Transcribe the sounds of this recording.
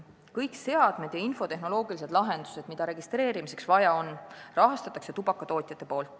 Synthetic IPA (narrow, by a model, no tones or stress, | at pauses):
kɤjkse̞ɑd̪̥me̞d̪̥jɑinfo̞t̪e̞ɦno̞lo̞ːɡ̥ilised̪lɑɦe̞nd̪u̥se̞d̪̥mid̪ɑɾe̞ɡist̪ɾe̞ːɾimise̞̥ksvɑjɑo̞nrɑɦɑst̪ɑt̪ːˑɑkse̞t̪ubɑkːɑt̪o̞ːt̪ʲˑjɑt̪ːˑe̞po̞ːlt̪ˑ